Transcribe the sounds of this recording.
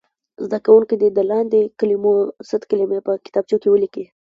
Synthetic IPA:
zd̪akawuŋkid̪id̪əlɑnd̪ekəlimosət̪kalimepəkɪ̥t̪ɑb̚t͡ʃokewəliki

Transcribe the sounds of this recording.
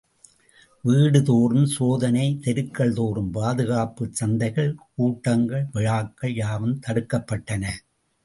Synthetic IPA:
ʋiːɽɯðoːrɯmsoːðɐnɐɪt̪ɛɾɯkːɐɭt̪oːrɯmpaːðɯɣaːpɯt͡ʃɐnd̪ɐɪɣɐɭkuːʈːɐŋɡɐɭʋɪɻaːkːɐɭjaːʋɯmt̪ɐɽɯkːɐpːɐʈːɐnɐ

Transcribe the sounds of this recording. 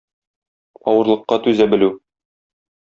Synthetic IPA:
ɒwɤ̆ɾlˠɤ̆qːɑt̪ʉzæbɘ̆lʉ

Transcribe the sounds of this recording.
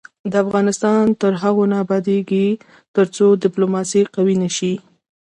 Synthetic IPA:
d̪əafɣɑnɪst̪ɑnt̪əɾɦaɣonɑbɑd̪eɡi | t̪əɾt͡sod̪ɪplomɑsiqawinəʃi

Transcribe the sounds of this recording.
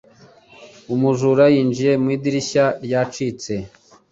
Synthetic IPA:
umuʒuɾajiːnd͡ʒije̞mwiːdiɾiçaɾjat͡ʃit͡se̞

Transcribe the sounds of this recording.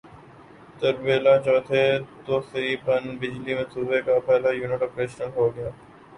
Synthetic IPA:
t̪əɾbeːlaːt͡ʃɔːt̪ʰeːt̪oːsɾiːpənbɪd͡ʒliːmẽːsʊbeːkapɛːlaːjuːnɪʈoːpɾeːʃnəlɦoːɡɪjaː

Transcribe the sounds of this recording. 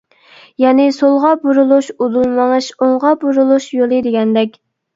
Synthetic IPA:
jɛnɪsolˠʁɑbuɾulˠuʃud̪ulˠmɑŋɨʃoɴʁɑbuɾulˠuʃjolˠɨd̪eɡʲɛnd̪ɛkʲ

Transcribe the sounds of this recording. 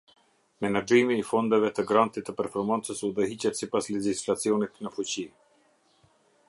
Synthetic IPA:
mɛnad͡ʒimiːfɔnd̪ɛvɛt̪əɡɾant̪it̪ːəpɛɾfɔɾmant͡səsuðəɦit͡ɕɛt̪sipaslɛd͡ʑislat͡siɔnit̪nəfut͡ɕi

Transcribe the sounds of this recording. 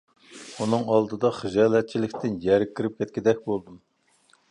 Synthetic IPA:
unɨŋɑlˠd̪ɨd̪ɑχɨʒɑːlˠɛt̪̚t͡ʃʰilɪkʲt̪ʰɪnjɛɾkʲʰːiɾɪp̚kʲʰɛt̪̚kʲid̪ɛk̚ʲbolˠd̪um

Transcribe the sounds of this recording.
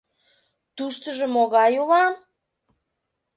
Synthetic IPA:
t̪uʃt̪əʒəmoɣɑjulɑm

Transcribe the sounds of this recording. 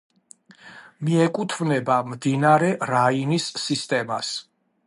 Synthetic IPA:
miɛkʼut̪ʰmnɛbamd̪inaɾɛɾainisːist̪ʼɛmas

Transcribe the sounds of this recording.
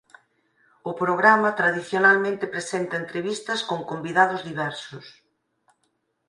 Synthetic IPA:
ʊpɾoɣɾamɐt̪ɾaðiθjonalmẽnt̪ɪpɾesent̪ɐent̪ɾeβist̪ɐskoŋkombiðaðʊzðiβɛɾsʊs

